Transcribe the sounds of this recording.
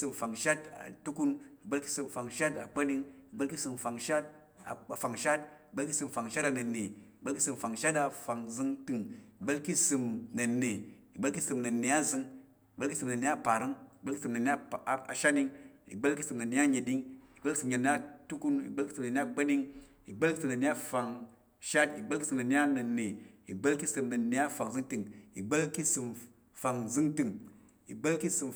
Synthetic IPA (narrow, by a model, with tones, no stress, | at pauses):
sɨ˧mfa˨ŋʃa˦ta̰˨tu˦ku˧ni˨ɡ͡be˦lki̥˦sɨ˧mfa˨ŋʃa˦ta˨k͡pa˦ni˦˧ŋi˨ɡ͡be˦lki˦sɨ˧mfa˨ŋʃa˦t̚ | a̰˨a˨fa˨ŋʃa˦t̚i˨ɡ͡be˦lki˦sɨ˧˨mfa˨ŋʃa˦ta˧nɐ˨nːe˨i˨ɡ͡be˦lki˦sɨ˧mfa˨ŋʃa˦ta˧fa˨ŋzɨ˧ŋtɨ˧ŋi˨ɡ͡be˦lki˦sɨ˧mnɐ˨ne˨ | i˨ɡ͡be˦lki˦sɨ˧mnɐ˨ne˨a˦zɨ˧ŋ | i˨ɡ͡be˦lki˦sɨ˧mna˨nːe˨˦a˦pa˨ɾɨ˦ŋi˨ɡ͡bə˦li˦sɨ˨mnɐ˨ne˦a˦˨a˨ʃa˦ni˧ŋḭ˨ɡ͡bə˦lki˦sɨ˧mnɐ˨ne˨˦a˦ɲe˨di˦ŋi˨ɡ͡bə˦lki˦sɨ˧mɲe˨ne˦a˦tu˦ku˦nḭ˨ɡ͡bə˦lki˦sɨ˨mnə˨nʲe˦a˦ɡ͡bə˦ni˦ŋ | i˨ɡ͡bə˦lki˦sɨ˨mnə˨ne˦a˦fa˧ŋ | ʃa˦ti˨ɡ͡bə˦lki˦sɨ˧˨mnɐ˨ni˦a˦nɐ˨ne˨i˨ɡ͡bə˦lki˦sɨ˧mnɐ˨ne˨˦a˦fa˨kzɨ˦ŋtɨ˨ŋḭ˨ɡ͡bə˦lki˦sɨ˧m | fa˨ŋzɨ˦ŋtɨ˧ŋ | i˨ɡ͡bə˦lki˦sɨ˧m